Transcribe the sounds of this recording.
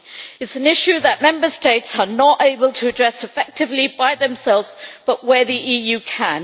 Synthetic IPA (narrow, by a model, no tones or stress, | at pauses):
ɨtsə̃nɪʃʉðəʔmɛ̃mbəsteɪtsənəteɪbəlˠtʰəːdɹɛsɨfɛk̚tɨvlibaɪðə̃msɛlˠvzb̥ʌʔwə˞ðiʔijʉːkʰə̃n